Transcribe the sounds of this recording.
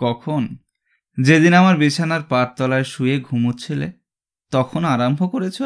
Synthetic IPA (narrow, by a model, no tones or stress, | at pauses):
kɔkʰon | d͡ʑed̪inamaɾbit͡ɕʰanaɾpaɾt̪ɔlaeʃujeɡʱumut͡ɕʰilḛ | t̪ɔkʰonaɾambʱokoɾet͡ɕʰe